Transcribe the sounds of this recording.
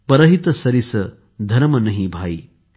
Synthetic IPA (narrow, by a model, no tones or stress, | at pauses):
pɐɾɐɦit̪ɐsɐɾisɐ | d̪ʱɐɾmɐnɐɦibʱaːi